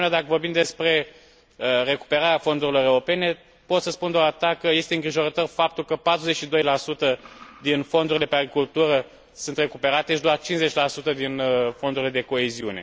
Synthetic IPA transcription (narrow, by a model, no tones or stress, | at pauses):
nad̪akəvo̞rbimd̪e̞spɾe̞ | əre̞ku̥pe̞ɾaɾeafo̞nd̪uɾilo̞ɾeuɾo̞pe̞ne̞ | po̞t̪səspund̪oat̪akəje̞st̪eɨŋɡɾiʒo̞ɾət̪o̞rfap̚t̪ulkəpat̪ɾuze̞t͡ʃʲʃid̪o̞jlasut̪əd̪info̞nd̪uɾile̞peaɡɾikult̪uɾə | sunt̪re̞kupe̞ɾat̪e̞ʃid̪oart͡ʃinszet͡ʃʲlasut̪əd̪inəfo̞nd̪uɾile̞d̪eko̞eziune̞̰